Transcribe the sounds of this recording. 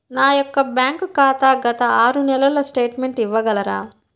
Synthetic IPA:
naːjɔkːɐbjaːŋkkaːt̪aːɡɐt̪ɐaːɾunɛlɐlɐsʈe̞ːʈme̞ɳʈiʋːɐɡɐlɐɾa̰ː

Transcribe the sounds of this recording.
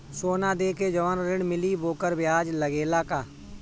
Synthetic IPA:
soːnãːd̪eːkeːd͡ʒɔʋənɾɪɳmɪliːboːkəɾbɪjaːd͡ʒləɡeːlaːkaː

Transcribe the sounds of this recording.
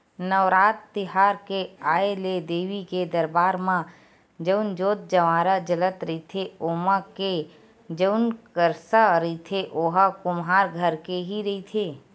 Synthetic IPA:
nəʋɾaːt̪ːɪɦaːɾkeaːeled̪eːʋiked̪əɾbaːɾmã | d͡ʒəʊnd͡ʒoːt̪̚d͡ʒəʋaːɾəd͡ʒələt̪ɾəit̪ʰeoːmãke | d͡ʒəʊnkəɾsaɾit̪ʰeʔoɦakʊmɦaːɾɡʱəɾkeɦiɾɐit̪ʰeː

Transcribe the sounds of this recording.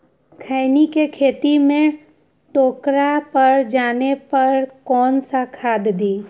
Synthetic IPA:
kʰaɪnikekʰeːt̪imẽ | ʈoːkɾapəɾd͡ʒaːnepɐɾkɔːnsakʰaːd̪d̪iː

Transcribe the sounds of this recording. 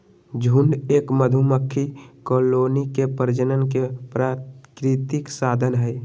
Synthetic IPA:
d͡ʒʱuɳɖeːkməd̪ʱuməkʰːikoːloːnikepəɾd͡ʒənənkepɾaːkɾɪt̪ɪksaːd̪ʱənɦɛ

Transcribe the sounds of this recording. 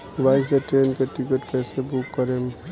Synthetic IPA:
ʋajseʈenkeʈikəʈkɛsebukːəɾem

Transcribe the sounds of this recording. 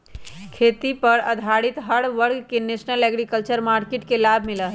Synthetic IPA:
kʰet̪ipəɾəd̪ʱaɽit̪ɦəɽʋəɾɡkenesnəleɡɾikəlt͡ʃəɾmaɾkeʈkelabʱmiləɦ

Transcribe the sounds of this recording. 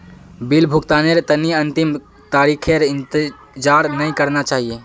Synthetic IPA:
bɪlbʱʊkt̪aːneɾt̪ɐniɐ̃nt̪ɪm | t̪aːɾiːkʰeɾɪ̃nt̪ɪ | d͡ʒaːɾnɐĩkɐɾnat͡ʃaːɦie

